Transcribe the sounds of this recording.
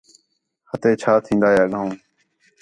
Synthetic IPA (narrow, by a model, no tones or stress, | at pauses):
hət̪eːt͡ʃʰaːt̪ʰĩːnd̪aːjaːɠãːõː